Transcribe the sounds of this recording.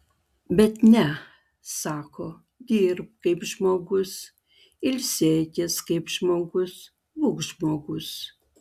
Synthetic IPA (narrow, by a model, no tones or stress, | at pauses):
bʲɛt̪nʲɛ | sɑːkʰoː | d̪ʲiːɾp̚kɐɪpʒmoːɡʊs | ɪlʲsʲeːtʲɪskɐɪpʒmoːɡʊs | bʊkʒmoːɡʊs